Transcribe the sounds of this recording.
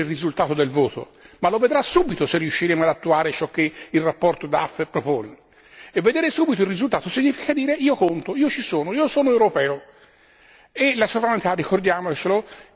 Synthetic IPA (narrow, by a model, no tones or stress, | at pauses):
ilrizult̪aːt̪od̪elvoːt̪o̰ | malːoved̪ɾasːuːbit̪oserːiuʃːiɾeːmoad̪at̪ːuaːɾet͡ʃɔk̟ːeilrapːɔrt̪od̪aafːepːɾopoːne | evːed̪eːɾesuːbit̪oilrːizult̪aːt̪osiɲːiːfikad̪iːɾeiːokont̪oiːot͡ʃisoːnoiːosoːnoewɾopɛːo | elasovɾanit̪arːixord̪jaːmot͡ʃelo